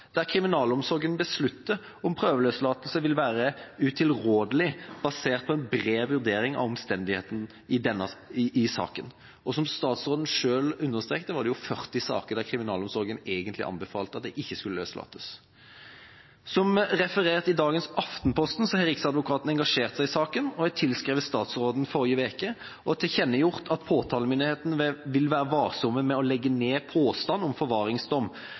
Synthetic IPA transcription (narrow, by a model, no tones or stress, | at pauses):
d̪̥æʁkʰʁɪmɪnɑːlɔmsɔɾɡənbəslʉt̪ːə | ɔmpʰʁøːʋəløːslɑːt̪əlsəʋɪlʋæːɾəʉt̪ʰɪlʁoːd̪əlɪb̥ɑseːʁt̪̚pʰɔɛnbʁeːʋʉʁd̪eːɾɪŋɑ̰ʋɔmst̪ɛnd̪ɪheːt̪n̩ | ɪd̪ɛnːəʔɪsɑ̰ːkən | ɔsɔmst̪ɑːt̪sʁoːd̪ən̩ʂøːlʉnːəʁst̪ʁeːk̚t̪əʋɑʁd̪ɛjʊfœʁt̪ɪsɑ̰ːkəʁd̪æʁkʰʁɪmɪnɑːlɔmsɔɾɡəneːɡənt̪lɪʔɑ̰nbəfɑːlt̪əɑt̪̚d̪ɛʔɪçːəskʉləøːslɑ̰ːt̪ə̥s | sɔmʁɛfəʁeːʁt̪ɪd̪ɑːɡənsɑft̪n̩pʰɔst̪n̩sɔhɛɾɪksɑd̪ʋʊkʰɑːt̪n̩ɛŋɡɑʂeːʁt̪sæɪɪsɑːkənɔhɛɡ̚t̪ʰɪlskʁeːʋəst̪ɑːt̪sʁoːd̪n̩fɔɾɪəʋeːkə | ʔɔt̪ʰɪçɛnːəjʊʁt̪ʰɑt̪pʰoːt̪ʰɑːləmʏnɪheːt̪n̩ʋɪlʋæːɾəʋɑːʁsɔmːəmɛɔlɛɡːəneːpʰoːst̪ɑnːɔmfɔɾʋɑːɾɪŋsd̪ɔmː